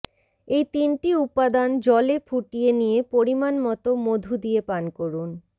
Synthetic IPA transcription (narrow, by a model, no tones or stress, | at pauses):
ejt̪inʈiupːad̪and͡ʑɔlefʰuʈijenijepoɾimanmɔt̪omod̪ʱud̪ijepankoɾun